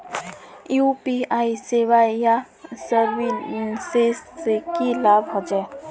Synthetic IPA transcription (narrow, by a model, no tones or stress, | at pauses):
jupiaːiseʋaja | səɾʋiunseskilaːbɦod͡ʒa